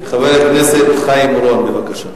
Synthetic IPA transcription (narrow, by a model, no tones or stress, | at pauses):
χavelenesetχajimɾuanbevakaʃa